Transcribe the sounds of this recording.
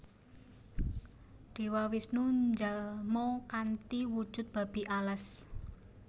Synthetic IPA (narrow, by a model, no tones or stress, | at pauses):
ɖ̪̥e̤wawisnuɲd͡ʒalmɔkant̪iwud̥ʒ̥ʊ̤t̪̚b̥a̤b̥iʔaləs